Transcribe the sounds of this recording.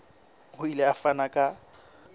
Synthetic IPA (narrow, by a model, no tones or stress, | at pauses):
hʊileafanakʼa